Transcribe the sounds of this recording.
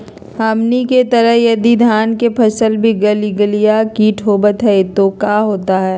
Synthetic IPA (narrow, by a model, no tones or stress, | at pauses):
haːmniket̪ɐɾəɦjɐd̪id̪ʱaːnkepʰɐsəlbʱiɡəliɡəlijakiʈʰoːbət̪ɦɛt̪okaːɦoːt̪aɦɛː